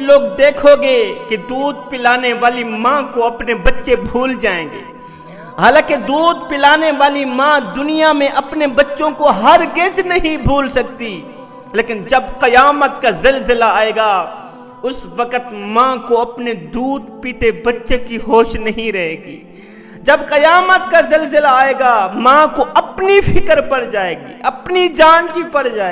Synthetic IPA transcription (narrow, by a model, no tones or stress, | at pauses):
loːɡd̪eːkʰoɡeːked̪uːd̪̚pɪlaːneʋaːlimãːkoɐpnebɐtːʃebʱuːld͡ʒaːẽːŋɡḛː | ɦaːlãːked̪uːd̪pɪlaːneʋaːlimãːd̪ʊnijamẽʔɐpnebɐtːʃõkoɦɐɾɡed͡ʒnɐɦĩbʱuːlsɐkt̪i | leːkɪnd͡ʒɐbqɐjaːmət̪kazɪlzɪlaaːeːɡa | ʊsʋəqət̪mãːkoɐpned̪uːd̪piːʈebɐtːʃekiɦoːʃnɐɦĩɾɐɦeːɡḭː | d͡ʒɐbqɐjaːmət̪kazɐlzɪlaːeːɡamãːkoʔɐpnipʰɪkəɾpɐɽd͡ʒaːeːɡḭːɐpnid͡ʒaːnkipɐɽ̤d͡ʒaːe